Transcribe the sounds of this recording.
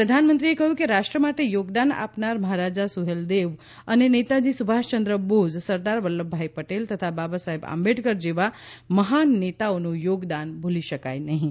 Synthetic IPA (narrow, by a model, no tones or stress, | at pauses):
pɾəd̪ʱanmə̃nt̪ɾiekəɦjũkeɾaʃʈɾəmaʈejoɡd̪ana̰pnaɾməɦaɾad͡ʒasuɦeld̪eʋ | ənenet̪ad͡ʒisubʱaʃt͡ʃənd̪ɾəbod͡zsəɾd̪aɾʋəlːəbʱːaipəʈelt̪ət̪ʰababasaɦeba̰mbeʈɡəɾd͡ʒeʋa | məɦanːet̪aonujoɡd̪anbʱuliʃəka̰jnəɦĩ